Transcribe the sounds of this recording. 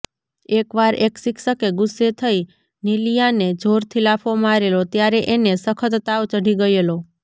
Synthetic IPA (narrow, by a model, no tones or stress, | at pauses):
ekʋaɾeksikʰsəkeɡʊsːet̪ʰəi | nilijaned͡ʒʱoɾt̪ʰilapʰomaɾelot̪jaɾeʔenesəkʰət̪ːaʋt͡ʃəɽiɡəjelo